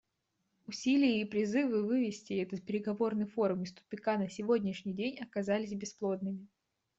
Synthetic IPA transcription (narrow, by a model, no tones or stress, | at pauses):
ʊsʲilʲɪjəipɾʲɪzɨvɨvɨvʲɪsʲtʲɪɛt̪ət̪̚pʲɪɾʲɪɡɐvo̞rnɨjfoɾʊmɪst̪ʊ̥pʲɪkanəsʲɪvo̞dʲnʲɪʂnʲijdʲenʲɐkɐzalʲɪsʲbʲɪsplˠo̞d̪̚nɨmʲɪ